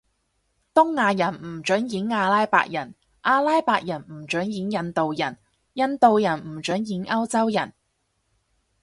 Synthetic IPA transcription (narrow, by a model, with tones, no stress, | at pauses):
t̪ʊ˥ŋːaː˧jɐ˨˩nm̩˨˩t͡ʃɵ˨˥njiː˨˥naː˧laː˥jpa̰ː˧k̚jɐ˨˩n | ʔaː˧laː˥jpaː˧k̚jɐ˨˩nm̩˨˩t͡ʃœ˨˥ŋjiː˨˥njɐ˧nt̪o˨wjɐ˨˩n | jɐ˧nt̪o˨˧wjɐ˨˩nm̩˨˩t͡ʃɵ˨˥njiː˨˥nʔɐ˥wt͡sɐ˥wjɐ˨˩n